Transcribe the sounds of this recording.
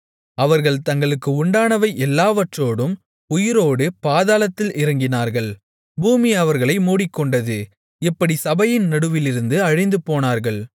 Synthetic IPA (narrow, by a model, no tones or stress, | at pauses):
ɐʋɐɾɣɐɭt̪ɐŋɡɐɭɯkːɯʊɳɖaːnɐʋɐɪʔɛlːaːʋɐʈroːɽɯm | ʊjɪɾoːɽɯpaːðaːlɐt̪ːɪlɪɾɐŋɡɪnaːɾɣɐɭ | buːmiɐʋɐɾɣɐɭɐɪmuːɽɪkːɔɳɖɐðɯ | ɪpːɐɽisɐbɐjɪnnɐɽɯʋɪlɪɾɯnd̪ɯɐɻɪnd̪ɯpoːnaːɾɣɐɭ